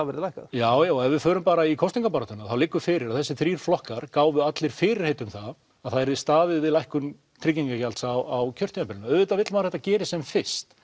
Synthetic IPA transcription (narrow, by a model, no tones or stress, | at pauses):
avɛɾɪðlajhkajaːwjaːwɛvɪfœːɾʏmpaːɾaikʰɔst̪iŋkapaɾat̪ʏnːaθawlɪkːʏfɪːɾɪɾaðθɛsːɪθɾiːr̥flɔhkaɾ̥kaːwvʏat̪lɪɾ̥fɪːɾɪɾ̥heːjt̪ʏmθað | aðθaðɛɾðɪst̪aːðɪðɪlajhkʏm | t̪ʰɾicːiŋkacalt̪sawawcʰœr̥t̪inapɪlɪnaœvɪt̪avɪt̪lmaðɾθɛ̥t̪ːacɛːɾɪsɛmfɪ̥st̪